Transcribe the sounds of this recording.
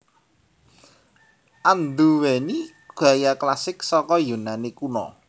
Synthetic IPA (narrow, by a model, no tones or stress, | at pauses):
ʔand̪uweni | ɡ̥a̤jaklasɪksɔkɔjunanikunɔ̰